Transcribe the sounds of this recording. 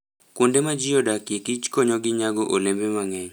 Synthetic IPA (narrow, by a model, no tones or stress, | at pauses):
kundemad͡ʒɪjodakjekit͡ʃkoɲɔɡɪɲaɡɔʔolembemaŋɛɲ